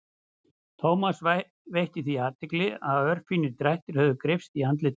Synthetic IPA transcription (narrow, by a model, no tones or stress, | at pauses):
t̪ʰoːwmas | vejhc̪ɪθiaːt̪ɪklɪaðœr̥finɪɾt̪ɾajht̪ɪɾ̥hœvðʏkɾɪfst̪iant̪lɪ